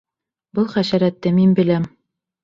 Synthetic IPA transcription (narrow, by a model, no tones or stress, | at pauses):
bɤlˠχæʃæɾæt̪ːɘminbɘ̆læm